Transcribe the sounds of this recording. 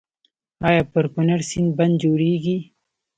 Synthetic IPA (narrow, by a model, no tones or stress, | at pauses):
ɑjɑːpəɾkʊnaɽsinband̪̚d͡ʒoɽeɡi